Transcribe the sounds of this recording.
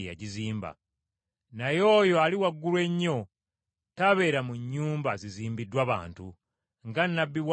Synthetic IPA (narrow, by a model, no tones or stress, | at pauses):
ja̰ɟiziːmba̰ | najo̞ːjoaliwaɡːulwe̞ɲːo̞ | taβe̞ɾamuɲːuːmbaziziːmbidwaβa̰ːntu | ŋɡanːabːiwa